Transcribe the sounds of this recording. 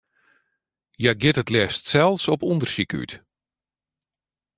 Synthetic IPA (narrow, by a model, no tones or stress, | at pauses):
jaɡɪtətlɛstsɛlˠfsɔpundərsiky̰t